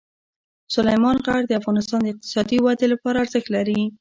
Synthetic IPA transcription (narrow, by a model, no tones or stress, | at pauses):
sʊlajmɑnɣaɽd̪əafɣɑnɪst̪ɑnd̪əɪq̚t̪ɪ̥sɑd̪iwad̪elapɑɾaːɾzəxt̪laɾi